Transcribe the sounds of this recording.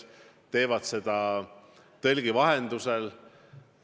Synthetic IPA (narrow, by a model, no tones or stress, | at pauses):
t̪e̞ːvɑd̪̥se̞d̪̥ɑ | t̪e̞lɡ̥ivɑɦend̪̥usel